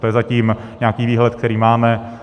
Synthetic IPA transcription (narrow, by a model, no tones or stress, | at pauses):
t̪ojɛzaciːm | ɲaːkiːviːɦlɛt̪kt̪ɛɾiːmaːmɛ